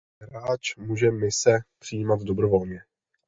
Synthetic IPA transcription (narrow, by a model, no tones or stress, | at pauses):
ɾaːt͡ʃmuːʒɛmɪsɛpr̥ɪjiːmat̪do̞bɾo̞vo̞lɲɛ